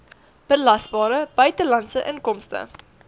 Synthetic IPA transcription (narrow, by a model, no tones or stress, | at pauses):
b̥əlɐsbɑːɾəb̥œɥtəlɐntsəʔənkɔmstə̰